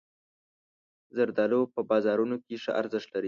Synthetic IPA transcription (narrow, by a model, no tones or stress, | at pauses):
zaɾd̪ɑlopəbɑzɑɾunokeʂə̰ʔa̰ɾzɪʂt̪laɾi